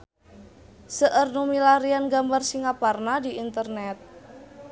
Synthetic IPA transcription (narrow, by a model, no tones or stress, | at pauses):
səʔərnumilaɾianɡambarsiŋaparnadiint̪ərnɛt̪̚